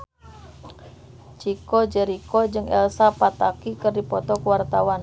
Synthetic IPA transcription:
t͡ʃikɔd͡ʒɛɾikɔd͡ʒɨŋɛ̰lsapat̪akikɨrdipɔt̪ɔkəwart̪awan

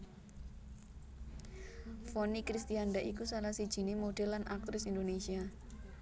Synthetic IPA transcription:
fonikɾist̪ianɖaʔikusalahsid̥ʒ̥i̤nemoɖ̥ɛlːanʔak̚t̪ɾɪsind̪onesia

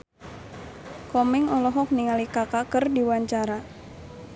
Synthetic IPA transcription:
kɔmɛŋɔlɔɦɔk̚niŋalikakakərdiwaɲt͡ʃaɾa

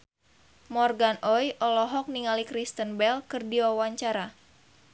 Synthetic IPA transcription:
mɔrɡanʔɔjʔɔlɔɦɔk̚niŋalikɾist̪ənbɛlkɨrdiwawaɲt͡ʃaɾa

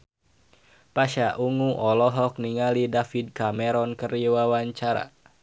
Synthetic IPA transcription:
paʃaʔuŋuʔɔlɔɦɔk̚niŋalidafid̚kamɛɾɔnkəriwawaɲt͡ʃaɾa̰

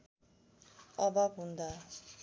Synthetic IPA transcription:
ʌbʌbɦũnd̪a

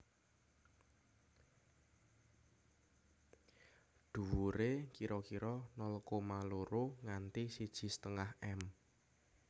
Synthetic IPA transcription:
d̪̥ṳwuɾekiɾɔkiɾɔnɔlkomaloɾoŋant̪isid̥ʒ̥i̤st̪əŋahʔɛm

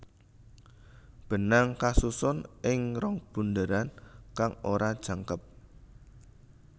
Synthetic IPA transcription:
b̥ə̤naŋkasusʊnʔɪŋrɔŋb̥ṳnd̪əɾankaŋoɾad̥ʒ̥a̤ŋkəp̚

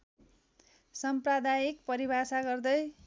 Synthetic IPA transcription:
sʌmprad̪ajikpʌɾibʱasaɡʌrd̪ʌj

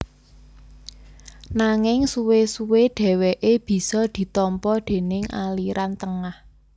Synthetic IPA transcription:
naŋɪŋsuwesuweɖ̥ɛ̤weʔeb̥i̤sɔd̪̥i̤t̪ɔmpɔd̪̥e̤nɪŋa̰liɾʔant̪əŋah

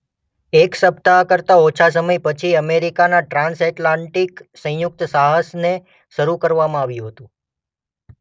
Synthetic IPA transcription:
eksəp̚t̪akəɾt̪aot͡ʃʰas̬əməjpət͡ʃʰiəmeɾikanaʈɾãnsɛʈlãɳʈiksə̃jʊk̚t̪saɦəsne | ʃəɾukəɾʋamãaʋjũɦət̪ũ

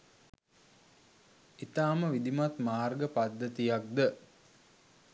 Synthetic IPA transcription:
it̪aːməʋid̪imat̪maːrɡəpad̪ːət̪ijak̚d̪ə

